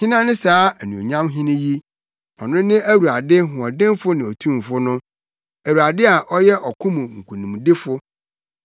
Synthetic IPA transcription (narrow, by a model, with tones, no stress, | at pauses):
hɪ̃˦nã˦nɪ̃˦saː˨˦æ˨nũ˨o̰˨ɲã˦mɦɪ̃˦nɪ̃˦ji˦ | ɔ˨nʊ̃˦nɪ̃˦æ˦wu˨a˨dɪ˦ɦʊ̃˨ɔ˨dɪ̃˦mfʊ˦nɪ̃˨ɔ˨tʰũ˦m˨fʊ˦nʊ̃˦ | æ˨wu˨a˨dɪ˦a˨ʔɔ˦jɛ˦ʔɔ˨kʰʊ̃˦mũ˨ŋ̩˨kʰu˨nũ˨m˨dɪ˦fʊ˦